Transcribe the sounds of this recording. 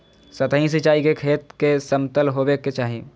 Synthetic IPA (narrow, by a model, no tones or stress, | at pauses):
sət̪əɦĩs̬it͡ʃaːikekʰeːt̪kesəmt̪əlɦobekːet͡ʃaːɦĩ